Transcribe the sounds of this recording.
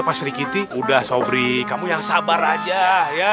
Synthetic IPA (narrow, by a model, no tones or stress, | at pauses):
pasɾikit̪iudahsobɾikamujaŋsabaɾad͡ʒaja